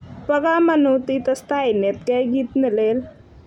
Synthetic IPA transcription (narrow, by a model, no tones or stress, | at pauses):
pɐɡamɐnut̪it̪ɐst̪ainet̪̚keɡit̪nilel